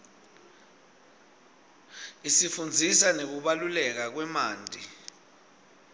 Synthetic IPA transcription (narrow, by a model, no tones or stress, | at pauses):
isifund͡zʱisanek̬uɓalulɛk̬ak̬wɛmaːndʱʼi